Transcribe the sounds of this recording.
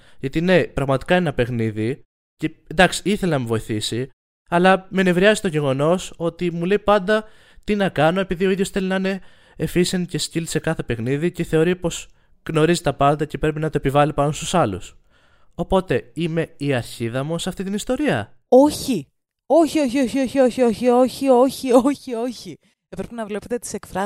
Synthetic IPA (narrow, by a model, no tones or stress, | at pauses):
ʝɐt̪ine̞pɾɐɣmɐt̪i̥kɐeenɐpe̞xniði | ce̞nd̪ɐksi̥iθe̞lenɐmuvo̞iθisi | ɐlɐme̞ne̞vɾiɐzi̥t̪o̞ʝe̞ɣo̞no̞so̞t̪imule̞ipɐnd̪ɐ | t̪inɐkɐno̞e̞piðioiðʝo̞sθe̞linɐine̞ː | fisence̞scilise̞kɐθe̞pe̞xniðice̞θe̞o̞ɾipo̞s | ɣno̞ɾizit̪ɐpɐnd̪ɐce̞pɾe̞pinɐt̪o̞epivɐlipɐnost̪usɐlṵs | o̞po̞t̪e̞ime̞iɐɾçiðɐmosɐft̪it̪inist̪o̞ɾiɐ̰ | o̞çi | o̞çio̞çio̞çio̞çio̞çio̞çio̞çio̞çioçio̞çi | epɾepinɐvle̞pet̪et̪i̥se̞kfɾɐ